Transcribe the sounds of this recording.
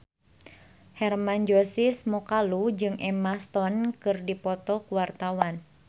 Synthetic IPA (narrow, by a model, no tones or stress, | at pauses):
hɛrmand͡ʒosismɔkalud͡ʒɨŋʔɛmast̪ɔnkɨrdipɔt̪ɔkuwart̪awan